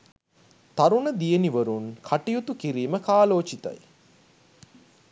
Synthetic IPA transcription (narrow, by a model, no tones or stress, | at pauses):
t̪aɾunəd̪ijeniʋəɾunkʰaʈijut̪ukiɾiːməkaːloːt͡ʃit̪a̰j